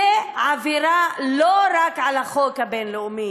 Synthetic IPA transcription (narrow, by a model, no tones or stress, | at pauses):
eʕaviɾaloɾakʕalhaχokhabenleumi